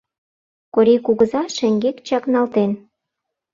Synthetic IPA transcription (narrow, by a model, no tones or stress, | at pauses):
koɾikuɣəzɑʃĕŋɡekt͡ɕɑknɑlt̪en